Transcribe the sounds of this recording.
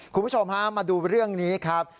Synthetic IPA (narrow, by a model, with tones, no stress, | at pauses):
kʰu˧bu˥t͡ɕʰo˧mɦa˦˥maː˧duː˧ɾɯ˥˩əŋniː˦˥kʰɾa˦˥p̚